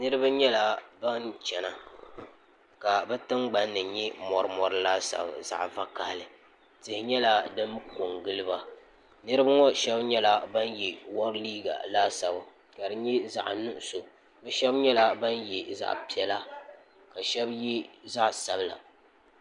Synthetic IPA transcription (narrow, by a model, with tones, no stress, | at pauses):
nɨ˦ɾɨ˦ba˦ɲɛ˦la˨ba˦ŋ˦t͡ʃɛ˨na˨ | ka˨bɛ˦tɨ˦ŋɡ͡ba˦nːɨ˨ɲɛ˦mɔ˨ɾɨ˦mɔ˨ɾɨ˦laː˦sa̰˨b̰za̰˨ʔva˦ka˨hlɨ˨ | tɪ˨hɪ˨ɲɛ˦la˦dɨ˦mko˨ŋɡɨ˦lɨ˦ba˦ | nɨ˦ɾɨ˦ba˦ŋɔ˦ʃɛ˦bɲɛ˦la˦ba˦njɛ˨wɔ˦ɾliː˦ɡa̰˨laː˦sa˨b | ka˨dɨ˨ɲɛ˦za̰˨ʔnʊ˦ʔʊ˨so˨ | bɛ˦ʃɛ˦bɲɛ˦la˨ba˦njɛ˨za̰˦ʔpi˨ɛ˨la˦ | ka˨ʃɛ˦bji˦za˦ʔsa˨bla̰˨